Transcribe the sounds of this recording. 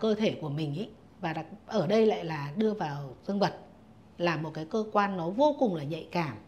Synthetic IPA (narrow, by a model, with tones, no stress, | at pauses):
kəː˧t̪ʰe˧˩ku˧˩əmï˨˩ŋ̟ʔḭ˧˦˥ | vaː˨˩ɗa˨˩k̚ʔəː˧˩ɗə˧jla̰ː˧˨jlaː˨˩ɗɨ˧əvaː˨˩wzɨ˧əŋvə˨˩t̚ | laː˨˩mo˨˩t̚kaː˨˦jkəː˧kwaː˧nːɔ˨˦vo˧kʊ˨˩ŋ͡mlaː˨˩ɲə̰˧˨jkaː˧˩m